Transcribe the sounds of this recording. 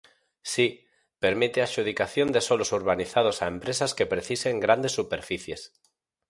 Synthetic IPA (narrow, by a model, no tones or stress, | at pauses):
si | peɾmit̪eaʃuð̞ikaθjond̪esolosuɾβ̞aniθað̞osaempɾesaskepɾeθiseŋɡɾand̪esːupeɾfiθjes